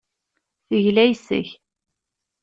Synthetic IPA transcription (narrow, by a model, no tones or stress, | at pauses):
θəʝlæjsə̰ç